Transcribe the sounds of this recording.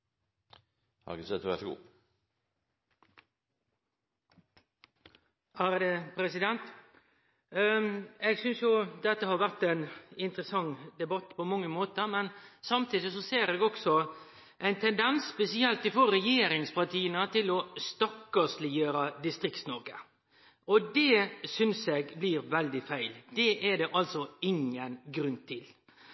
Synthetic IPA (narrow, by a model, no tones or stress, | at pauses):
hɑ̰ɡəsɛt̪ʋɛsɡṵː | æɾd̪epʰɾɛsɪd̪ɛnt̪ | eːɡsʏnsjʊd̪ɛt̪ːəhɑːɾʋæʁt̪ɛnɪnt̪ɾəsɑŋd̪ɛbɑt̪ːpʰɔmɑŋːəmoːt̪əɾmɛnsɑmt̪iːd̪ɪsɔseːɾɛːɡɔksɔ | ʔæɪnt̪ʰɛnd̪ɛnsspɛsɪɛlt̪ɪfoːɾɾɛjeːɾɪŋspɑʈiːənət̪ʰɪlɔst̪ɔkːɑslɪjøːɾəd̪ɪst̪ɾɪkt̪snɔɾɡə | ɔd̪ɛsʏnsɛɡbliːɾʋɛld̪ɪfæɪld̪̥ɛʔɛd̪ɛʔɑlt̪sɔɪŋːənɡɾʉnt̪ʰɪl